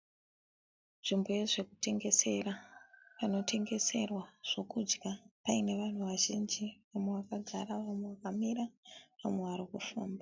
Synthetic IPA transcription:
nʐimbo̞je̞ʐe̞ku̥te̞ŋɡe̞se̞rapano̞te̞ŋɡe̞se̞rwaʐ̥o̞kud͡ʒɡapaine̞ʋan̤uʋaʒind͡ʒiʋamwewakaɡʱaɾaʋamwewakamiɾaʋamwe̞ʋaɾikufaːmba

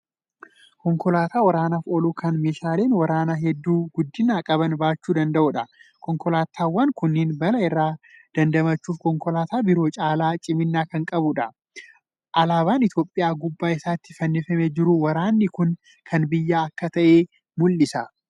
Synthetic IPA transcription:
kɔŋkɔlaːt̪aːwɐɾaːnɐfɔluːkʰɐnmeːʃaːleːnwɐɾaːnɐɦɛd̪ːuːɡʊd̪ːɪnːaːkʼɐbɐnbaːt͡ʃːuːd̪ɐnd̪ɐʔʊᶑɐkɔŋkɔlaːt̪ʰːaːwːɐŋkʊnːeːnbɐlɐɪrːaːd̪̥ɐnd̪ɐmɐt͡ʃːuːfkɔŋkɔlaːt̪aːbɪɾo̞ːt͡ʃʼaːlaːt͡ʃʼɪmɪnːaːkɐŋkʼɐbʊᶑɐ | ʔɐlaːβaːnɪt̪jo̞ːpʼːɪjaːɡʊbːaːɪsaːt̪ːɪ̥fɐnːefɐmed͡ʒɪɾʊwɐɾaːnːɪkʊn | kʰɐnbɪjːaːɐkːɐt̪ɐʔeː | mʊlːɪsɐ

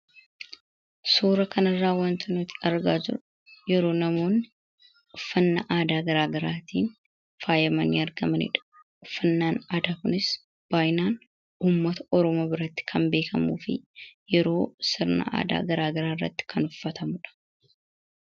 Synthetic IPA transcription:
suːɾɐkɐnɐrːaːwɐnt̪ʰɐnʊt̪ɪ̥ɐɾɡaːd͡ʒɪ̰ɾʊ | jɛɾo̞ːnɐmo̞ːnːɪ | ʊfːɐnːɐʔaːd̪aːɡɐɾaːɡɐɾaːt̪iːn | faːjɐmɐniːɐɾɡɐmɐnɪ̰ᶑɐ̥ | ʊfːɐnːaːnaːd̪aːkʊnɪs | b̥aːjnaːn | uːmːɐt̪ɐɔɾɔmoːbɪɾɐt̪ːɪ̥kʰɐmbe̞ːkʰɐmṵːfɪ̰jɛɾo̞ːsɪɾnɐ̰ʔa̰ːd̪a̰ːɡɐɾaːɡɐɾaːɪrːɐ̰t̪ːɪ̥kʰɐnʊfːɐt̪ʰɐmʊᶑɐ̥

